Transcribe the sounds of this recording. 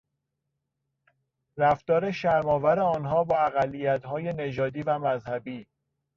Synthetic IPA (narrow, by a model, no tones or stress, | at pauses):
ɾæft̪ɒːɾe̞ʃæɾmɒːvæɾe̞ɒːnɦɒːbɒːæɣælːijæt̪hɒːje̞ne̞d͡ʒɒːd̪iːvæmæzhæbiː